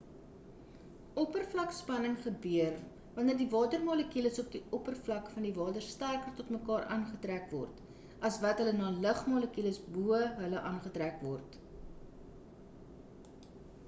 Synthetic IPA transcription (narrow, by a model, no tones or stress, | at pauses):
ɔpərflɐkspɐnəŋχəbyər | vɐnərdivɑːtərmɑːləkiləsɔp̚diʔɔpərflɐkfɐndivɑːtərstærkərtɔtməkɑːrʔɑːnχətrækvɔ̰rt | ɐsvɐtɦələnɑːləχmɑːləkiləsbuəɦələʔɑnχətrækvɔrt